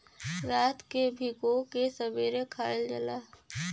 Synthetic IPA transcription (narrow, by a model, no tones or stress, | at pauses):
ɾaːt̪kebʱikokesəbeːɾekʰaːeld͡ʒə̰laː